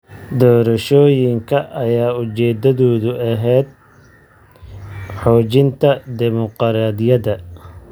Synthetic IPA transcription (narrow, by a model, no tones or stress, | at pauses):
d̪ɔːɾɐʃɔːjɪŋkʰɐʔɐjaːʊt͡ʃɛːd̪ɐðɔːðʊʔɐɦɛːd̪̚ | ħɔːt͡ʃɪnt̪ʰɐd̪ɪmɔqɾaːd̪ɪjɐðɐ